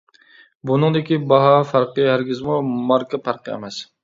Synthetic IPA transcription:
bʊnɨŋd̪ɪkʲibɑɦɑfɑɾqɨhæɾɡʲɪzmumɑɾkɑpʰæɾqʰɨḛmɛs

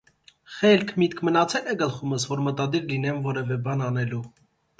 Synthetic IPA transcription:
χɛlkʰmit̪kʰmənɑt͡sʰɛlɛɡəlχuməsvɔɾmət̪ɑd̪iɾlin̪ɛmvɔɾɛvɛbɑnɑn̪ɛlu

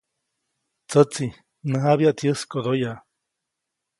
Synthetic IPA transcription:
t͡sət͡si | nəɦaβiaʔt̪ʰjəskod̪oja

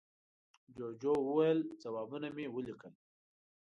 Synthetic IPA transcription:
d͡ʒod͡ʒowəwajəlt͡sawɑbunamewəlikəl

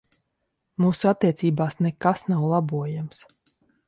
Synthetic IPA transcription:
muːsuat̪ːiɛt̪siːbaːsnɛkasnawlˠabuɔjams

